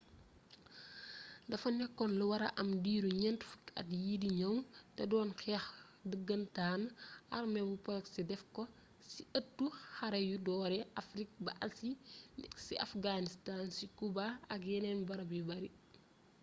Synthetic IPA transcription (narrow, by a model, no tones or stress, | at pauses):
dɐfɐnɛkːɔnluwɐɾɐʔɐmdiːɾuɲɛntfu̥tɐ̰tjidiɲɐmtɛdɔːnxɛːx | dəɡːɐntaːnɐ̰rmɛbupɔlksidɛfkɔ | siətːuxɐɾɐjudɔːɾɛʔɐfɾik̚bɐʔɐsinksiʔɐfɡanistaːnsikubaɐkjɛnɛnbɐɾɐbibɐɾi